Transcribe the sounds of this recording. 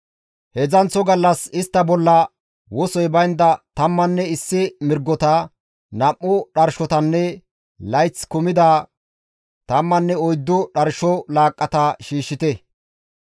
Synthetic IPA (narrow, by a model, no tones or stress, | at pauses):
hɛzɐnt͡sːɔɡɐlːɐsɪst̪ːɐbɔlːɐ | wɔsɔjbɐjnd̪ɐt̪ɐmːɐnːɛɪsːɪmɪɾɡːɔt̪ɐ | nɐmːʊɗɐɾʃɔt̪ɐnːɛ | lɐjt͡skʊmɪd̪a | t̪ɐmːɐnːɛɔjd̪ːʊɗɐɾʃɔlaːkʼːɐt̪ɐʃiːʃːɪt̪ɛ